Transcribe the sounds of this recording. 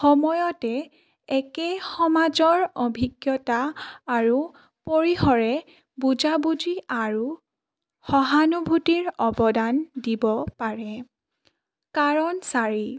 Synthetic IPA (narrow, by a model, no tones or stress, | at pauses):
xɔmɔjɔtɛ | ɛkɛxɔmazɔɹɔbʱiɡjɔtaːɹu | poɹixɔɹɛ | bud͡ʒabud͡ʒiaɹu | xɔɦanubʱutiɹɔbɔdandibɔpaɹɛ | kaɹɔnsaɹi